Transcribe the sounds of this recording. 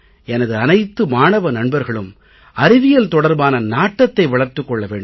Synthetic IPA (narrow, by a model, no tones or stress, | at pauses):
ʔɛnɐðɯɐnɐɪt̪ːɯmaːnɐʋɐnɐɳbɐɾɣɐɭɯm | ɐɾɪʋɪjɐlt̪ɔɽɐɾbaːnɐnaːʈːɐt̪ːɐɪʋɐɭɐɾt̪ːɯkːɔɭːɐʋeːɳɖɯ